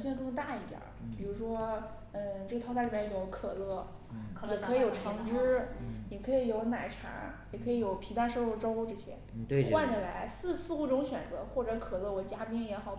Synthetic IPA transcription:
ɕɛ˥˧˥k̪ʰo˥˧˥t̪a˥˧i˥˩t̪jɑ̰˨˩˦pi˨˩ɻu˧˥ʂwɔ˥ | ə˥˧ʈ͡ʂɤ˥˩ə˩t̪ʰɑ˥sa˥˧i˥˩˥o˧˥kʰɤ˨˩lɤ˥˩˧ | i˨˩kʰɤ˧˥i˧˥o˨˩ʊʈ͡ʂʰɤ˧˥ŋʈ͡ʂɻ̩˥ni˨˩kʰɤ˧˥i˨˧˩jo˧˥ʊna˨˩ɪʈ͡ʂʰa̰˧˥ | jɛ˨˩kʰɤ˧˥i˧˥jo˨˧˩ʊpʰi˧˥t̪a˥ʂo˥˧u˥˩ʈ͡ʂo˥ʊ˧ʈ͡ʂɤ˥˧ɕjɛ̰˥wa˥˩nʈ͡ʂə˨˩la˧˥ɪsɹ̩˥˧sɹ̩˥˧u˥˩ʈ͡ʂʊ˥ŋɕɥɛ˨˩nt͡sɤ̰˧˥xwɔ˥˩ʈ͡ʂɤ˧˥kʰɤ˨˩lɤ˥˩wɔ˨˩˦t͡ɕja˥pi˥ŋjɛ˧˥xɑ˨˩˦

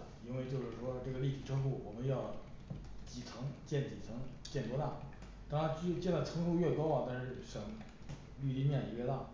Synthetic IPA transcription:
i˥nwe˥˧ɪt͡ɕjo˥˧ʊʂɻ̩˥˩ʂwɔ˥ʈ͡ʂɤ˥˩ɡə˩li˥˩i˨˩ʈ͡ʂʰɤ˥fu˥˩wɔ˨˩mə˦njɑ˥˩ʊ | t͡ɕi˨˩t͡sʰɤ˧˥ŋt͡ɕjɛ˥˩nt͡ɕi˨˩t͡sʰɤ˧˥ŋt͡ɕjɛ˥˩nt̪wɔ˥t̪a˥˩ | t̪ɑ˥˧ŋɻa˧˥nt͡ɕy˥˩t͡ɕjɛ˥˩nd̪ə˩t͡sʰɤ˧˥ŋʂʰu˥ɥɛ˥˩kɑ˥ʊɐ˨t̪a˥˧nʂɻ̩˥˩ʂɤ˨˩ŋ | ly˥˧t̪i˥˧mjɛ˥˩ni˧˥wɪla˥˩

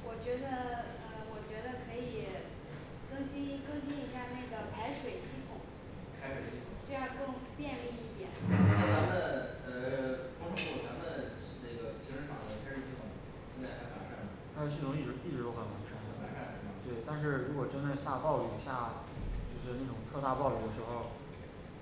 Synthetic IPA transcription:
wɔ˨˩t͡ɕɥɛ˧˥d̪ə˧ | ə˧wɔ˨˩t͡ɕɥɛ˧˥d̪ə˧kʰɤ˧˥i˨˩ | t͡sɤ˥ŋɕi˥nkɤ˥˧ŋɕi˥ni˧˥ɕja˥˧na˥˩ɪɡə˩pʰa˧˥ɪʂwe˨˩ɪɕi˥˩t̪ʰʊ˨˩˦ŋ | kʰa˥ɪʂwe˨˩ɪɕi˥˩ʊ˨˩˦ŋʈ͡ʂɤ˥˧jɑ˥˧kɤ˥˧ŋpjɛ˥˧nli˥˧i˥˩t̪jɛ̰˨˩˦n˥˩t̪a˧˥mə˨nə˧kʰʊ˥ʂfu˥˩t͡sa˧˥mə˨n̩˥˧ | ne˥˩ɡə˩t͡ɕʰi˥ʂə˥fɑ˨˩ŋd̪ə˧˩kʰa˥ʂɻ̩˥˧˩ɕi˥˩t̪ʰʊ˨˩˦ŋ | ɕjnt͡sa˥˧ɪkʰa˥˩ɪpʰa̰˧˥kʰa˥˩nə˩a˧˥ɪʂe˨˩ɕi˥˩ʊ˧ŋi˥˩ʈ͡ʂɻ̩˧˥pi˥˩ɻ̩˧˥˩o˥ʊxə˨˩nwa˧˥nʈ͡ʂʰə˧˥n˧ə˨˩a˧˥kʰa˥˩˧t̪we˥˩ɪt̪a˥˧nʂ̬ɻ̩˥˩ɻu˧˥kwɔ˨˩ʈ͡ʂə˥nt͡sɪɕja˥˧pɑ˥˩ʊi˨˩ɕja˥˩ | t͡ɕjo˥˧ʊʂɻ̩˥˧na˥˩ʈ͡ʂʊ˨˩ŋt̪ʰɤ˥˧t̪a˥˧pɑ˥˧ʊli˥˩ə˩ʂɻ̩˧˥xo˥˧ʊ˩

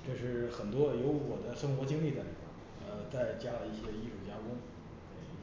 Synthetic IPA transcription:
ʈ͡ʂɤ˥˧ʂɻ̩˥˩xə˨˩nt̪wɔ˥jo˧˥ʊwɔ˨˩d̪ə˦ʂɤ˥ŋxwɔ˧˥t͡ɕi˥ŋli˥˩d̪ə˧˩t̪i˥˩ɑ̰˨˩ŋ | ə˧t͡sa˥˩ɪt͡ɕja˥lə˨˧i˥˩ɕjɛ˥i˥˧ʂu˨˩t͡ɕja˥kwə˥n | twe˥˩

